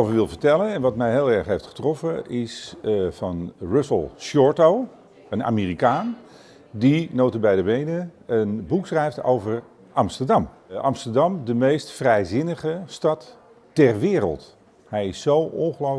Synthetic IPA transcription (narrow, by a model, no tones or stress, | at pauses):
ovəʋɪlˠvəɹtɛlənɛnʋɑtmɛjɦeːlˠɛɹχɦejftχə̥trɔfəɪsvɑnrʏfəlˠʃɔɹtow | əna̰ːmiːrikaːn | dinoːtəbɛjdəbejnəənbuksrɛjfto̰wvəɹ | ʔɑmstəɹdɑm | ʔɑ̰mstəɹdɑmdəmejstfrɛjzɪnəχəstɑtː | ɛrʋɪːrə̰lˠt | hɛjɪsːowɔnχəlo